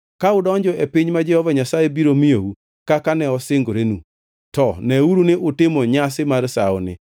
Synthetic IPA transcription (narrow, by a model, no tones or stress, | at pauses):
kaʊdɔɲd͡ʒɔʔepɪɲmad͡ʒɛhɔvaɲasaebiɾomiou | kakanɛɔsɪŋɡoɾenu | tɔnɛuɾunɪʔʊtɪmoɲas̬ɪmaɾsaɔ̰nɪ̰